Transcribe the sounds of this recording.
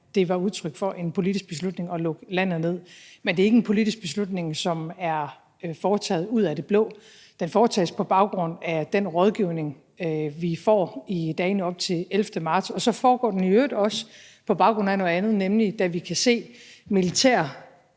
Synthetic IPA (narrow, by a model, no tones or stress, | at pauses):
d̥e̝ʋɑ̈uð̞ˠt͡sʰʁœɡ̥fɒ̽ʔe̝npʰo̝lid̥isɡ̥b̥e̝slud̥ne̝ŋɒ̽lɔ̽ɡ̥læn̰ð̩ˠne̝ð̰ˠmend̥e̝eɡəenpʰo̝lidisɡ̥̚b̥e̝slud̥ne̝ŋsɒ̽mæɐ | fɒːt͡sʰɛ̰ːð̩ˠuð̞̰ˠæd̥e̝b̥lɔ̰̽ː | d̥enfɒːt͡sʰɛ̰ːspʰɒ̽b̥ɑ̈ʊɡ̥ʁɔ̽n̰æd̥enʁɒ̽ð̞ˠɡ̥iʊ̰ne̝ŋ | ʋifɒ̰ːid̥ɛːnəɒ̽b̥̚t͡sʰe̝lelfd̥əmɑ̈ːd̥sɒ̽sɒ̽fɒːɡ̥ɒ̰ːd̥enødˠɒ̽s | pʰɒ̽b̥ɑ̈ʊɡ̥ʁɔ̽n̩̰æno̽ð̩ˠænð̩ˠnemlid̥æʋikʰæse̝̰ːmilit͡sʰæ̰ːɐ